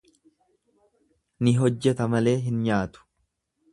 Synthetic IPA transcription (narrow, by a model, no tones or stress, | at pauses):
nɪɦɔd͡ʒːɛt̪ɐmɐle̞ːɦɪnɲaːt̪ʊ̥